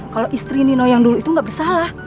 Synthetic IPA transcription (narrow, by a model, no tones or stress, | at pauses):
kaloʔist̪ɾininojaŋduluit̪uŋɡaʔbisalah